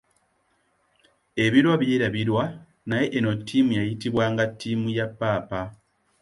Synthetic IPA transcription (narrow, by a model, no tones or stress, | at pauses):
e̞βiɾwaβjeːɾaβiɾwa | naje̞ʔːno̞tʰːimujajitiβwaːŋɡatʰːiːmujapːaːpa